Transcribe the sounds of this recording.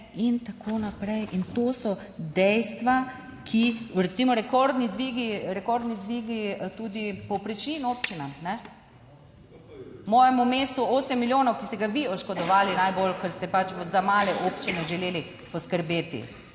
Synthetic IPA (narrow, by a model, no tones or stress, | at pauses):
int̪akʰoːnapɾɛjʔint̪oːsɔ | d̪ɛjst̪ʋa | kʰiɾɛt̪simɔɾɛkɔɾd̪nid̪ʋiɡiɾɛkɔɾd̪nid̪ʋiːɡit̪uːd̪ipɔpɾit͡ʃinoːpt͡ʃinanɛ | mɔːjɛmumeːst̪uoːsɛmːiljoːnɔwkist̪ɛɡaʋiɔʃkɔd̪ɔʋaːlinajbolkəɾst̪ɛpat͡ʃzamaːlɛʔoːpt͡ʃinɛʒɛleːli | pɔskəɾbeːt̪ḭ